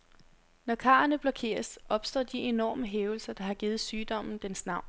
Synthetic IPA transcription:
nɒkʰɑ̈ːɐnəb̥lɒ̽kʰe̝̰ːɐsʔɒ̽b̥sd̥ɒ̰ːd̥iʔe̝nɒ̰ːməɦeːʊl̩sɐd̥ɑ̈hɑ̈ɡ̥iːð̩ˠsyːd̥ɒ̽m̰n̩d̥ensnɑ̈ʊ̰n

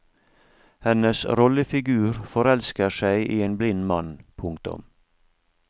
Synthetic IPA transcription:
hɛnəsɾɔləfɪɡʉːɾfɔɾɛlskəʃæɪʔiːeːnblɪnmɑnpʰʊŋkt̪ʊ̰m

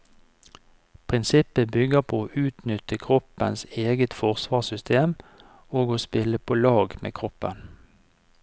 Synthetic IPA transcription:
pʰʁɪnsɪpəbʏɡəʁpʰoːoːʔʉːt̪nʏt̪əkʰʁɔpə̰nseːɡət̪fɔʁsʋɑːsʏst̪ʰeːm | oːɡoːspɪləpʰoːlɑːɡmḛːkʰʁɔpən

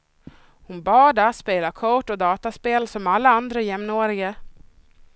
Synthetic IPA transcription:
hʊnbɑːɖaspeːlakʰɔʈːɔd̪ɑːt̪aspeːlsɔmalːaand̪ɾajɛmnoːɾɪɡa

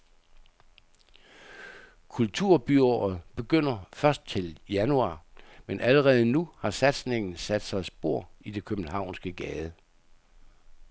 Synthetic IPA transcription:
kʰult͡sʰuɐ̰b̥yɒð̩ˠb̥e̝ɡ̥øn̰ɐfɶɐsd̥̚t͡sʰe̝ljænuɑ̰̈ːmenʔæləʁɛːð̞̩ˠənuhɑ̈sæd̥sne̝ŋn̩sæd̥sɑ̈ɪsb̥o̝ɐ̰id̥e̝kʰøb̥n̩ɦɑ̈ʊ̰nsɡ̥əɡ̥ɛːðˠə

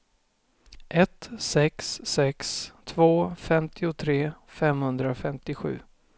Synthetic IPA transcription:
ʔɛt̪sɛksːɛkst̪ʰvoːfɛmt̪ʰɪʊt̪ʰɾeːfɛmhɵnd̪ɾafɛmt̪ɪɧʉ̟̰ː

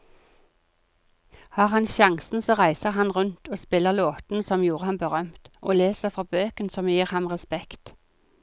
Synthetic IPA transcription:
hɑːʁhɑnʃɑŋsn̩soːʁæɪsəʁhɑnʁʉnt̪oːspɪləʁloːt̪n̩sɔmjuːʁəhɑnbəʁœmt̪ʔo̰ːleːsəfʁɑːbøːkənsɔmjiːʁhɑmʁɛspɛkt̪

